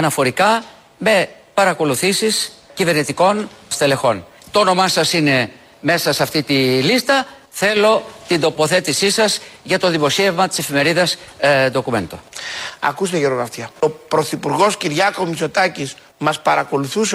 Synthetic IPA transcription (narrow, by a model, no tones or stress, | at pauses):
ɐnɐfo̞ɾikɐ | me̞ | pɐɾɐko̞luθisiscive̞ɾnit̪iko̞nst̪ele̞xo̞n | t̪oono̞mɐsɐsine̞ | me̞sɐseɐft̪it̪ilist̪ɐ | θe̞lo̞t̪ind̪o̞po̞θe̞t̪isisɐzʝɐt̪o̞ðimo̞sie̞vmɐt̪i̥se̞fime̞ɾiðɐsd̪o̞kume̞̰nt̪o̞̰ɐ̰kust̪eʝeɾoɣɐft̪iɐopɾo̞θipuɾɣo̞sciɾʝɐko̞miso̞t̪ɐcis | mɐspɐɾɐko̞luθuse